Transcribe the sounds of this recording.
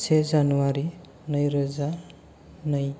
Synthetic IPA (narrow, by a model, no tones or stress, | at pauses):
sezanuwaɾi | nʌjɾʌza | nʌj